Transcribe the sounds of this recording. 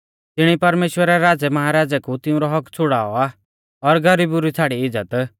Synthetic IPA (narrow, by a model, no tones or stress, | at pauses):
t̪ɪɽ̃ipɐɾmeːʃwəɾɛɾaːd͡zɛmɐɦaɾaːd͡zɛkut̪ɪũɾɔɦɔkt͡sʰʊɽa̰ːɔa | ɔɾɡʱɐɾibuɾit͡sʰaːɽiɪd͡zət̪